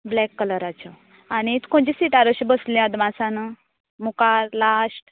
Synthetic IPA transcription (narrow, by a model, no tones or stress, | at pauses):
blɛkːələɾat͡ɕɔ | aɽ̃it̪kõɳd͡ʑisiʈaɾəɕibəsljãd̪mãsãnə | mukaɾlasʈ